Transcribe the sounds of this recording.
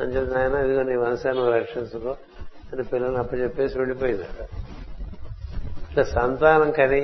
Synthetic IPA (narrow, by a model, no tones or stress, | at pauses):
ɐ̰ɲt͡ʃeaːjɐnaɐd̪uɡɐniːʋɐnɐsaːnɐmɾɐkʂɐnsukoː | ɐnipilːɐlnɐpːɐt͡ʃepːe̞ːsiʋeɭːipoːjind̪iɐa | ɐasɐnt̪aːnɐŋkɐni